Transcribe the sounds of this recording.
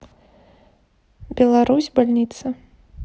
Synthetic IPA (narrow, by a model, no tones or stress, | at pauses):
bʲɛlˠaɾusʲbalʲnʲit̪sɐ